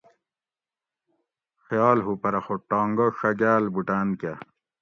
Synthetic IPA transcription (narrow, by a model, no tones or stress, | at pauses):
xjɑːlɦupɐɾɐxoʈɑːŋɡɐʂɐɡaːlbuʈaːnka